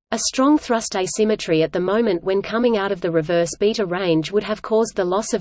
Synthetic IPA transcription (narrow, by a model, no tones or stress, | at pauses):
ɨstɹ̥ɔ̃ŋθɹʌsd̥eɪsɪ̃mɨt͡ʃɹ̥iɨt̪̚ðɨmõʊ̃mɨ̃nʔwɨ̃nkʰʌmɪ̃ŋaʊɾʌvðɨɹɨvɜ˞sb̥iɾəɹẽɪ̃nd͡ʒwʊɾ̚ɨv̥kʰɔzðəlɔsʌv